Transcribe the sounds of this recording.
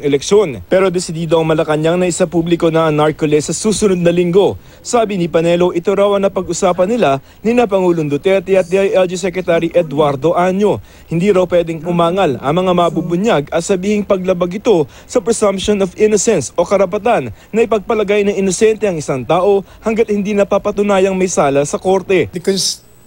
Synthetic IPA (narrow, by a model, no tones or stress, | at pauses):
ŋɛlɛkʃo̞npɛːɾo̞d̪ɛsɪd̪iːd̪oɐŋmɐlɐkɐɲaŋnɐɪsapublɪko̞nɐʔɐnaɹkolɛsɐsuːsʊnod̪̚nɐlɪŋɡo̞ | saːbɪnɪpɐnɛlo̞ʔɪt̪oɾawɐŋnɐpɐɡʊsaːpɐnɪla | nɪnɐpɐŋuːloŋd̪ot̪ɛɾt̪ɛɐt̪̚d̪iɐjʔɛld͡ʒɪsɛkɾɛt̪aɾiʔɛd̪waɾd̪o̞ʔaɲo̞ | hɪnd̪iːɾɐwpwɛːd̪ɪŋʊmaːŋɐlɐ̰ŋmɐŋamɐbubʊɲjaɡɐt̪sɐbiːhɪŋpɐɡ̚lɐbɐɡɪt̪o̞ | sɐpɹɛsɐmp̚ʃonovʔɪnosɛnsʔo̞kɐɾɐpɐt̪anːɐɪpɐɡ̚pɐlɐɡajnɐŋɪnosɛnt̪ɛɐŋɪsaŋt̪aːʔo̞ | hɐŋɡɐt̪̚hɪnd̪inɐpapɐt̪ʊnaːjɐŋmɐjsaːlɐsɐko̞ɾt̪ɛbɪkos